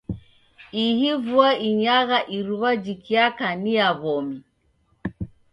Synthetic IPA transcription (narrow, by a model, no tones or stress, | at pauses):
ihivuaiɲaɣaʔiɾuβad͡ʒikiakaniaβɔmi